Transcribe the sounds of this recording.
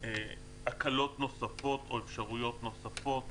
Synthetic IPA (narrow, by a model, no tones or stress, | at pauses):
e | akalo̞t̪no̞safo̞t̪o̞efʃaʁujo̞t̪no̞safo̞t̪